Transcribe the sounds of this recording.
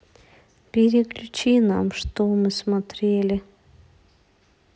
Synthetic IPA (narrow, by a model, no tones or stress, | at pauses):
pʲeɾʲeklʲʉt͡ɕinamʂt̪omɨsmɐt̪ɾʲelʲɪ